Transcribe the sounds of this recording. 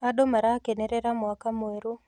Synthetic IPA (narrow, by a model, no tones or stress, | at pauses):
adomaɾakenɛɾɛɾamɔakamoeɾu